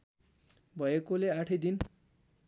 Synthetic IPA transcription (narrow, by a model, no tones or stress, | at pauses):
bʱʌekoleaʈʰʌjd̪in